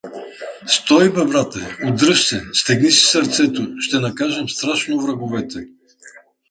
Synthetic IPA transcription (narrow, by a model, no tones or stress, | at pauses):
st̪ɔibɛbɾat̪ɛod̪ɾɤʃsɛst̪ɛɡnisi̥sɐɾt̪sɛt̪oʃt̪ɛnɐkaʒɛmst̪ɾaʃnovɾɐɡovɛt̪ɛ